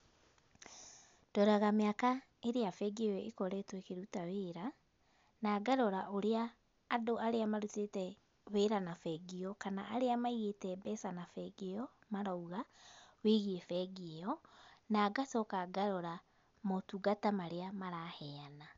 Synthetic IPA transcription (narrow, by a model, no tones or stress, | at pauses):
d̥ɔɾaɣameaka | eɾeafɛɡeɔjɔekɔɾɛtwekeɾutaweːɾa | naːɡaɾɔɾaʔoɾeaː | doʔaɾeamaɾutetɛ | weːɾanafɛɡiɔkanaʔaɾeamaiɣetɛbɛsanafɛɡeɔ | maɾauɣaweɣiefɛɡeɔnaːɡasɔkaɡaɾɔɾa | motuɡatamaɾeamaɾahɛana